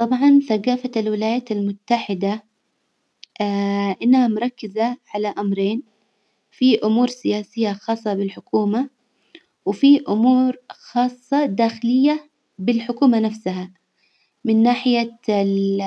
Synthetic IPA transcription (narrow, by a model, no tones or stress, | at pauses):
t̪ˤɑbʕɑnθaɡaːfalwɪlaːjaːt̪almʊt̪ːaħɪd̪a | ʔɪnːahamʊɾˤɑkːɪzaʕalaʔamɾeːn | fiʔʊmuːɾsɪjaːsɪjːaxɑːsˤːɑbɪlħʊkuːma | wɪfiʔʊmuːɾxɑːsˤːɑd̪aːxɪlɪjːa | bɪlħʊkuːmanafsaɦa | mɪnːaːħɪja